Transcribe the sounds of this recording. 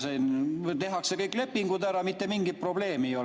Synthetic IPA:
sent̪e̞ɦɑksekɤjkːˑle̞pːiŋɡud̪æɾɑmit̪ːe̞miŋɡit̪̚pro̞b̥le̞ːmijo

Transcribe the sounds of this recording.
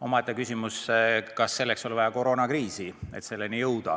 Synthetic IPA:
o̞mɑet̪ːˑɑkysʲimuskɑsːe̞lːe̞kso̞livɑjɑko̞ɾo̞ːnɑkriːsiet̪se̞lːenijɤwd̪̥ɑ̰

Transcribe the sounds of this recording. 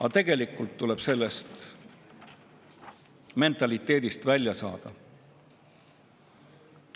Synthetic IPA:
ɑt̪e̞ɡ̥e̞likˑult̪ːuleb̥se̞lːest̪ | me̞nt̪ˑɑlit̪ːˑe̞ːd̪̥ist̪vælʲjɑsɑ̰ːd̪̥ɑ

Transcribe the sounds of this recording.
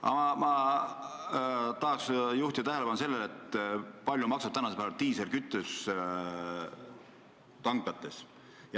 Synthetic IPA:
ɑ̰ɑmɑ | t̪ɑɦɑksjuht̪ʲid̪ɑt̪æɦelepɑnuse̞lːelet̪ːpɑlʲjumɑksɑb̥̚t̪ænɑsepæːvɑlt̪iːselkyt̪ˑːys | t̪ɑŋɡlɑt̪ːˑe̞s | j

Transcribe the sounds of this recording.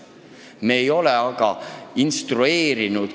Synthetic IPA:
me̞ːjo̞lɛɑɡ̥ɑinst̪rue̞ːɾinud̪̥

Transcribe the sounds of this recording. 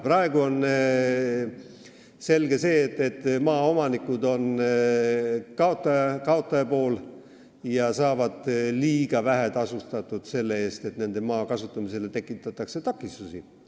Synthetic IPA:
prɑe̞ɡ̥uo̞n | se̞lɡ̥e̞se̞ːt̪ːˑe̞t̪ːˑmɑːo̞mɑnikud̪o̞n | kɑot̪ːɑɑkɑo̞t̪ːˑɑjɑpo̞ːl | jɑsɑːvɑd̪̥liːɡ̥ɑvæɦet̪ɑsust̪ɑt̪ːˑud̪̥se̞lːe̞e̞ːst̪e̞t̪ne̞nd̪̥e̞mɑːkɑsut̪ːˑɑmise̞le̞t̪e̞kːˑit̪ːˑɑt̪ːˑɑkse̞t̪ɑkːist̪usi

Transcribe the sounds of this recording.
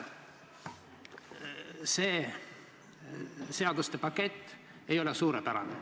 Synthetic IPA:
seː | se̞ɑd̪ust̪epɑkːe̞t̪ʲː | ejo̞lesuːɾepæɾɑ̰ne

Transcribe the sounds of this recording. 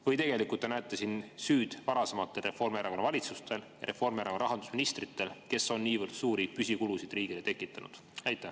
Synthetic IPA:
vɤjt̪e̞ɡe̞likˑult̪ːenæet̪ːˑesinsyːd̪̥vɑɾɑse̞mɑt̪ˑːe̞lre̞fo̞rmeɾɑkonɑvɑlʲit̪sust̪e̞ljɑ̰ɾe̞fo̞rmeɾɑkoɾɑɦɑnd̪̥usminist̪rit̪ːˑe̞lke̞so̞nːiːvɨrd̪̥suːɾipysʲikulusid̪riːɡ̥ile̞t̪e̞kːˑit̪ːˑɑnṵd̪̥ | ɑjt̪ːˑæh

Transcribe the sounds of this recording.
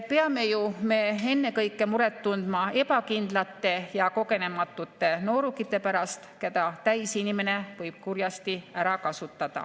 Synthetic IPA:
pe̞ɑme̞jume̞e̞nːe̞kɤjkːˑe̞muɾe̞t̪ːund̪̥mɑe̞pɑkind̪̥lɑt̪ːe̞jɑko̞ɡe̞ne̞mɑt̪ːˑut̪ːˑe̞no̞ːɾukːit̪ːˑe̞pæɾɑst̪ked̪ɑt̪æjsinime̞ne̞vɤjb̥̚kurjɑst̪iæɾɑkɑsut̪ːˑɑd̪̥ɑ̰

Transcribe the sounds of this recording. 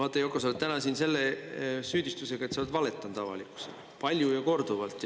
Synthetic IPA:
ɑːt̪ːˑɑjokːˑɑsolt̪t̪ænɑsinse̞lːe̞syːd̪ist̪use̞ɡ̥ɑet̪sɑlt̪vɑle̞t̪ːˑɑnt̪ɑvɑ̰likːˑu̥sḛlpɑlʲjujɑko̞rd̪̥uvɑlt̪ːˑ

